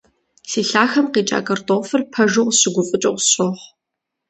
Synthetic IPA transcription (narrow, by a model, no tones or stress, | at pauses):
siːɬaːxɐmqeːt͡ʃʼa̰ːkʼɐrtʼoːfɨrpʰɐʒʊʁɕɪɡʷʊfʼɨt͡ʃʼɐqɕʼoχ